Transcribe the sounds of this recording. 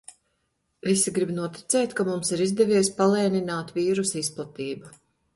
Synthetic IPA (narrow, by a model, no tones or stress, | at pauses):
visiɡɾibnuɔt̪i̥t̪sɛjt̪kamumsiɾizd̪ɛviɛspalˠɛːninaːt̪viːɾusisplˠat̪iːbu